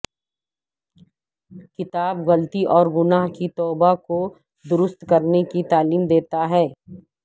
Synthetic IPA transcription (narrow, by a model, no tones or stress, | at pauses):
kɪt̪aːbɣɐlt̪iʔɔːɾɡʊnaːɦkit̪ɔːbako | d̪ʊɾʊst̪kɐɾnekit̪aːliːmd̪eːt̪aɦɛː